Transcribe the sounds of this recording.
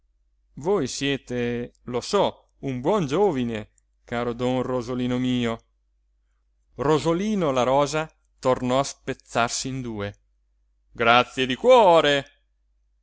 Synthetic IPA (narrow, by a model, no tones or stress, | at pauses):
vojsjɛːt̪elosɔ | umbwɔnd͡ʒoːvine | kaːɾod̪ɔnrozoliːnomiːo | rozoliːnolaɾɔːza | t̪ornɔaspet̪sːarsiind̪uːe | ɡɾat̪sːjed̪ikwɔːɾe